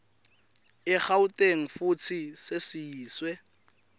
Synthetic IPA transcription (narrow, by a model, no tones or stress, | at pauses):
ɪχautʼeŋ̩fut͡sʰisɪsɪiːswɛ